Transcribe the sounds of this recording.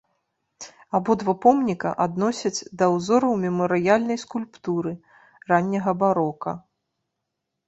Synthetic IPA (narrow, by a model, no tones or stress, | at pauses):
abɔd̪vapɔmnʲikɐ̰ʔad̪nɔsʲɐd͡zʲd̪ɐwzɔɾɐwmʲɛmɐɾɨjalʲnɐjskulʲpt̪uɾɨ | ranʲːɐɣɐbaɾɔkɐ